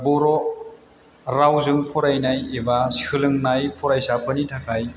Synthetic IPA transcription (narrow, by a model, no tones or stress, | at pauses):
buɾɔ | ɾawzɯŋpʰɔɾajnajebashʰɯlɯŋnajpʰɔɾajsapʰɯnitʰakʰaj